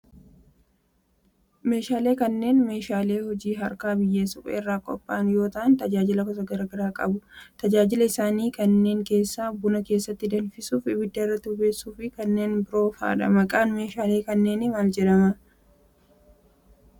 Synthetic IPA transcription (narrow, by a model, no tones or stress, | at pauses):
me̞ːʃaːle̞ːkɐnːe̞ːnme̞ːʃaːle̞ːhɔd͡ʒiːɦɐɾkaːbɪjːeːsʊkʼɛ̰ɪrːaːkʼɔ̰pʼːaːnjo̞ːt̪ɐʔɐnt̪ɐd͡ʒaːd͡ʒɪlɐkɔs̬ɐɡɐɾɐɡɐɾaːkʼɐ̰bʊt̪ɐd͡ʒaːd͡ʒɪlɐɪsaːniːkɐnːe̞ːŋke̞ːsːabːʊnɐke̞ːsːɐt̪ːɪd̪ɐnfɪsuːfɪbɪd̪ːɐɪrːɐt̪ːɪʊbe̞ːsːuːfɪkɐnːe̞ːnbɪɾo̞ːfa̰ːᶑɐ̰mɐkʼaːnme̞ːʃaːleːkɐnːe̞ːnɪmaːld͡ʒɛᶑɐmɐ